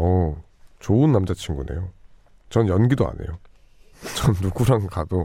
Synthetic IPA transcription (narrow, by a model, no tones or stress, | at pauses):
ʌ | t͡ɕoɯnːamd͡ʑat͡ɕʰiŋɡune̞̰jo | t͡ɕʌnjʌnɡidoa̰ne̞̰jo | t͡ɕʌnːuɡuɾaŋkado